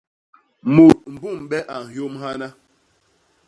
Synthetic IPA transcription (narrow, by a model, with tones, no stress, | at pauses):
mu˨t̚m̩˨bu˦˨m˨ɓɛ˦ʔa˨n̩˨hjo˦mha˦na˦